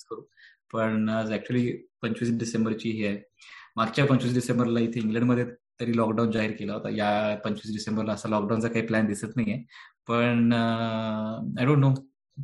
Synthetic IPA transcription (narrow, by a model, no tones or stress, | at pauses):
skəɾuː | pəɳd͡zæk̚t͡ɕuəliːpəɲt͡ɕʋiːsɖisẽmbəɾt͡ɕiːɦeaɦemaɡt͡ɕjapəɲt͡ɕʋiːs̬ɖisembəɾlait̪ʰeiŋɡlæ̃ɳɖməd̪ʱjet̪əɾiːlɔkɖawnd͡zaɦiɾkelaɦot̪a̰japəɲt͡ɕʋiːs̬ɖisembəɾlaəsalɔk̚ɖaw̃nt͡sakaɦiːplænd̪isət̪naɦiepəɳ | ajɖõːɳʈːo